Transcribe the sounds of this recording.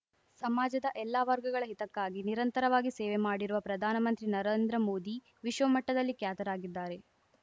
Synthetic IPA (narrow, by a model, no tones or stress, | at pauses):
sɐmaːd͡ʒɐd̪ɐʔɛlːaʋɐɾɡɐɡɐɭɐɦit̪ɐkːaːɡiniɾɐnt̪ɐɾɐʋaːɡiseːʋemaːɽiɾuʋɐpɾɐd̪ʱaːnɐmɐnt̪ɾinɐɾeːnd̪ɾɐmo̞ːd̪i | ʋiʃʋɐmɐʈːɐd̪ɐlːikjaːt̪ɐɾaːɡid̪ːaːɾe̞